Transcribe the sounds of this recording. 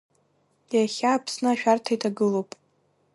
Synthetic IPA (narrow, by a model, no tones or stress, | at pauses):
jaχʲaːpʰsnɨaʃᶣartʰajtʰaɡɨlowpʼ